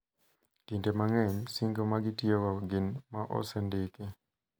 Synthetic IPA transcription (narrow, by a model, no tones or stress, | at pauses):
tintɛmaŋɛɲsiŋɡomaɡɪtiewaɡɪnmaʔɔ̰sɛndeki